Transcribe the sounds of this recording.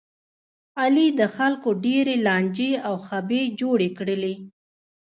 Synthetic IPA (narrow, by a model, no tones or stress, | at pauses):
alid̪əxalkoɖeɾelɑnd͡ʒeawxabed͡ʒoɽekɽəle